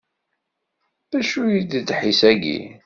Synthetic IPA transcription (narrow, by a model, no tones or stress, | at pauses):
ðæʃujid̪d̪ħisæɡḭ